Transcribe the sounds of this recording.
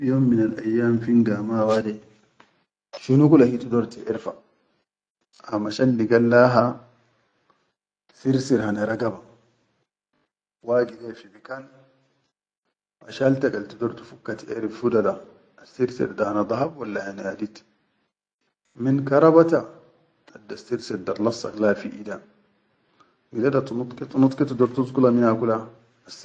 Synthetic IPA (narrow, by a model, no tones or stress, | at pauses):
joːmːinalʔajːaːmfiŋɡaːmaːwadɛ | ʃunukulahitudɔɾtiʔeɾfa | amaʃalːiɡalːaːɦa | siɾsiɾhanaɾaɡaba | waːɡihefibikan | ʔa̰ʃalt̪akalt̪id̪ɔɾt̪ufukːat̪ʔḛɾifudada | asiɾsḭɾdahanad̪ˤɑhabwalːahanaadit̪ | minkɑɾˤɑbat̪a | ad̪ːasiɾsed̪ɑɾlɑsˤːa̰klaːlfiʔida | midadat̪unut̪ˤkit̪unut̪ˤkit̪d̪oɾt̪uzkulaminakula | s